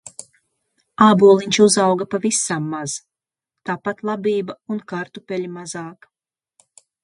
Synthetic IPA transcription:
aːbuɔlˠiɲʲt͡ʃiuzawɡapavisamːaz̥ | t̪aːpat̪lˠabʲiːbaunkaɾt̪upʲɛlʲimazɑːk

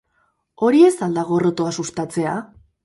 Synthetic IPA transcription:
o̞ɾie̞sald̪aɣ̞o̞ro̞t̪oasust̪at͡se̞a

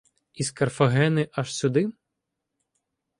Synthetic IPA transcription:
iskɐrfɐɦɛnɪʔɐʃsʲʊd̪ɪ

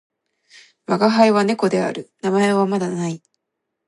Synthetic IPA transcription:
maɡaɦaeβane̞ko̞d̪e̞a̰ɾɯ̟namaeβ̞amad̪anai

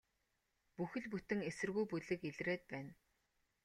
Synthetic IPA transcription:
puxɘ̆ɮput̪ɘ̆ŋesɘ̆rɣujpuɮɘ̆keɮreːt̪̚pæːn

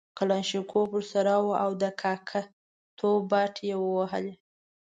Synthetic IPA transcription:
kalɑnʃikʰopəɾsaɾawuʔawd̪əkʰɑkʰa | t̪ʰobɑʈʰjewəwaɦə̰le

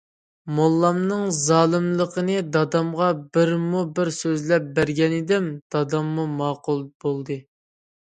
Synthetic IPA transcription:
molˠːɑmnɨŋzɑːlˠɨmlˠəqʰənɨd̪ɑd̪ɑmʁɑbɪɾmubɪɾsøzlɛp̚bæɾɡʲɛnɪd̪ɪmd̪̥ɑd̪ɑmːumɑːqulˠbolˠd̪ɨ

